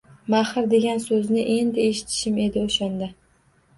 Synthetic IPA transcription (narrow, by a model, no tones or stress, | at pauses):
mahɪɾd̪e̞ɡʲansɵznɪʔe̞nd̪ɪe̞ʃɪ̥t̪ʰɪ̥ʃɪme̞d̪ɪoʃand̪a